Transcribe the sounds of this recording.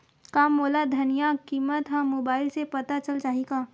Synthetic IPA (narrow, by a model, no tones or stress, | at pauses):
kaːmːoːlad̪ʱɐnijakiːmət̪ɦɐ̃moːbaːɪlsepɐt̪at͡ʃɐlt͡ʃaːɦiɡaː